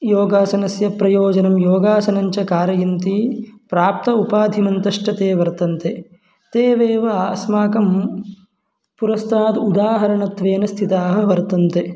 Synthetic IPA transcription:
joːɡaːsɐnɐsjɐpɾɐjoːd͡ʒɐnɐmjoːɡaːsɐnɐɲt͡ʃɐkaːɾɐjɐnt̪ipɾaːp̚t̪ɐupaːd̪ʱimɐnt̪ɐʂʈɐt̪eːʋɐɾt̪ɐnt̪e | t̪eːʋeːʋɐːsmaːkɐm | puɾɐst̪ʰaːt̪ud̪aːɦɐɾɐɳɐt̪ʋeːnɐst̪ʰit̪aːɦɐ̆ʋɐɾt̪ɐnt̪e

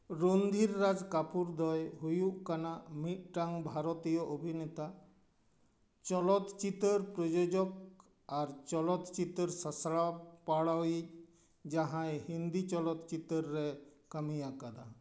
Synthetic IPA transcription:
ɾond̪ʱiɾːad͡ʒkapuɾd̪ɔjɦujuʔkanamit̪̚ʈaŋbʱaɾɔt̪ijɔʔobʱinet̪a | t͡ʃɔlɔt̪t͡ʃit̪əɾpɾɔd͡ʒod͡ʒɔk̚ | aɾt͡ʃɔlɔt̪t͡ʃit̪əɾsasɭapaɽawic | d͡ʒaɦãjhind̪it͡ʃɔlɔt̪t͡ʃit̪əɾːɛkamijakad̪a

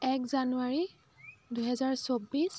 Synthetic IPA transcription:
ɛkzanuaɹi | duɦɛzaɹsobis

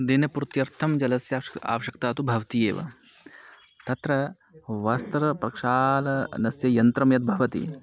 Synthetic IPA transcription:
d̪inɐpuɾt̪jɐɾt̪ʰɐmd͡ʒɐlɐsjɐa̰ːʋɐʃɐkt̪aːt̪ubʱɐʋɐt̪ijeːʋɐ̰ | t̪ɐt̪ɾɐ | ʋɐst̪ɐɾɐpɾɐkʂaːlɐnɐsjɐjɐnt̪ɾɐmjɐt̪̚bʱɐʋɐt̪ḭ

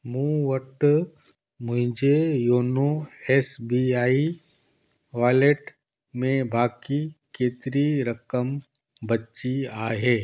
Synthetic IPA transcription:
mũwəʈ | mʊ̃ɦd͡ʒʱejoːnoeːsbiaːi | ʋaːleʈ | mẽbʱaːkikeːt̪ɾiɾɐkəm | bɐtt͡ʃiaːɦɛː

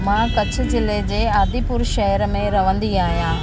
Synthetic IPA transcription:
mãːkɐt͡ɕʰʊ̆zɪled͡ʑeːaːd̪ipʊɾʃɐɦəɾmẽɾɐʋə̃nd̪iaːɦijãː

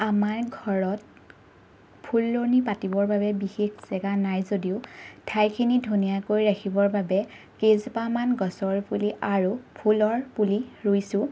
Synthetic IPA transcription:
amaɹɡʱɔɹɔt̚ | pʰulːoɹnipatibɔɹbabɛbixekz̥ɛɡanajzodiʊtʰajkʰinidʱunijakoɹiɹakʰibɔɹbabɛ | kezpamanɡɔsɔɹpuliʔaɹupʰulɔɹpuliɹojsʊ̃

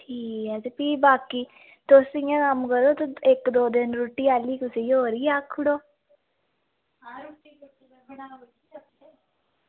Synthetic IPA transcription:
ʈʰiːkɛd͡ʒepiːbaːkiː | t̪oːsijãkamkəɾoːt̪oekd̪oːd̪ɪnɾuʈiːaːliːkʊsiːɦoːɾiaːkʰːʊɽoː | uʈii | ɽai

